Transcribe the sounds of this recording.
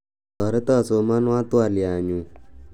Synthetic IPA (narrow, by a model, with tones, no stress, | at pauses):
ɔ˨ɾe˦t̪a˦˨so˨ma˦n˦ã˦t̪u˦a˨li˨a˨ɲũ˨